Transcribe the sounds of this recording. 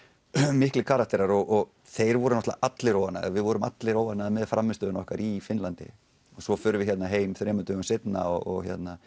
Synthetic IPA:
mɪhklɪkʰaːɾat̪ɛɾaɾɔɣɔɣ | θejɾvɔɾʏnɔht̪laʔat̪lɪɾoːwanːa̰ðvɪðvɔɾʏma̰t̪lɪɾoːwvanːaðmɛðfɾamːɪst̪œːðʏnɔhkaɾifɪnlant̪ɪ̰ | ɔsɔfʏːɾʏvɪçɛt̪naɦeːjmθɾɛːmʏnt̪ʏɣʏmsɪt̪na̰ɔɔ̰ɣçjɛ̰t̪na

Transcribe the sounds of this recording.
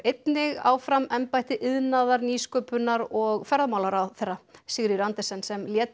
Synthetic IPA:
ejt̪nɪɣa̰wfɾamɛmpajht̪ɪʔɪðnaðaɾniːskœːpʏnːaɾɔɣfɛɾðamaːwlaɾawθɛrːasɪɣɾiɾant̪ɛsɛnsɛmljɛːt̪

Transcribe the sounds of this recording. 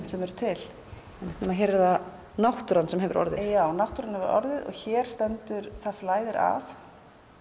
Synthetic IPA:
sɛmɛɾʏt̪ʰɪl | ɛnɛht̪nʏmaðçɛɾɪða | nawht̪ʏɾansɛmɦɛvʏɾʔɔ̰ɾðɪ̰jaːwnawht̪ʏɾanhɛvʏɾʔɔ̰ɾðɪðɔ̰ɣçɛːɾ̥st̪ɛnt̪ʏɾ̥θaðflaːjðɪɾʔa̰θ

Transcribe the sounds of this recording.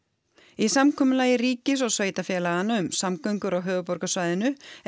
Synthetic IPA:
isamkʰɔːmʏlaːjɪriːcɪs̬ɔɣsveːjt̪afjɛːlaɣanːaʏmsamkœɥŋkʏɾawɦœːvʏpɔɾkasvaːjðɪnʏ

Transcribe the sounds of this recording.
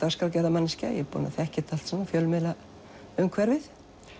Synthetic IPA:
t̪aɣskaɾcɛɾðamanːɪscajɛpɔ̰na̰θɛhcɪht̪al̥t̪sɛnːafjœlmɪla | ʏmkʰvɛɾvɪθ

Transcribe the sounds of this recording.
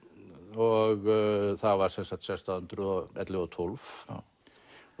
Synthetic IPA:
ɔɣθavaɾ̥sɛnsaht̪sajst̪aʏnt̪ɾʏɔɛt̪lɪɔt̪ʰʊlv

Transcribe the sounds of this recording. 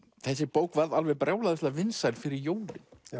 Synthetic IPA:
θɛs̬ːɪpoːwkvaɾðalvɛɾpɾʔaːwlaðɪst̪lavɪnsajlfɪɾɪɾjoːwlɪn̥

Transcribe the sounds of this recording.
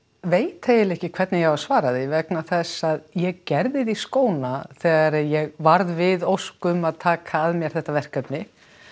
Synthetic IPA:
veːjt̪ejɪlehcɪkʰvɛɾt̪nɪjɛɣvaɾ̥svaːɾaðivɛknaθɛsːaðjɛɣcɛɾðɪðiskoːwnaθɛːɣaɾjɛɣvaɾðvɪðowskʏmaðt̪ʰaːkʰaːðmjɛɾ̥θɛht̪avɛr̥kœpnɪ

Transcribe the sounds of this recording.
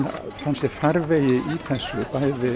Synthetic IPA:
fansjɛfaɾveːjɪʔiθɛsːʏpaːjðɪ

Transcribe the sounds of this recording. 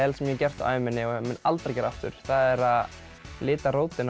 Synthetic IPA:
ɛlsɛmjɛcɛr̥t̪a̰ːvɪmɪnːɪɔmɪnalt̪ɾacɛːɾaft̪ʏ̰ɾ̥θaðɛɾað | lɪːt̪aɾoːwt̪ɪn

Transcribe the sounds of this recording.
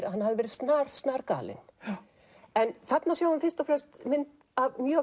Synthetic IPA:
ɾa̰hanːhavðɪvɛːɾɪðst̪naːɾ̥st̪naːɾka̰ːlɪ̰n | ɛnθat̪nasjaːwðʏnfɪm̥st̪afɾɛlst̪mɪnt̪ | avmjœː

